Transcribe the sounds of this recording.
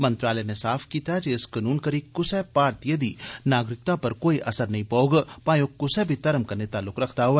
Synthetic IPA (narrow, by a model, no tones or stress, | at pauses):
mɐ̃nt̪ɾaːlɛnesaːfʰkiːt̪ad͡ʒeɪskɐnuːnkɐɾikʊsɛpaːɾt̪ijəd̪inaːɡɾɪk̚t̪apɐɾkoːiʔɐsəɾnɐɦĩpɐoɡpaːjõkʊsɛbʱit̪ɐɾəmkɐɾnet̪aːlːʊkɾɐkʰt̪aɦʊɛː